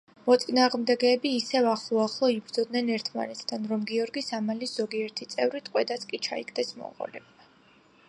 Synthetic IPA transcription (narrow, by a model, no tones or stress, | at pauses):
mɔt̪sʼinaːʁmd̪ɛɡɛːbiːsɛvaχlˠɔaχlˠɔibɾd̪zɔd̪nɛnɛɾt̪ʰma̰nɛt̪ʰd̪ʰanɾɔmɡiɔɾɡisamaliz̥ɔɡiɛɾt̪ʰit̪sʼɛvɾit̪ʼqʼwɛd̪at̪sʰkʼit͡ʃʰa̰ikʰd̪ɛsmɔ̰ʁɔ̰lɛ̰ba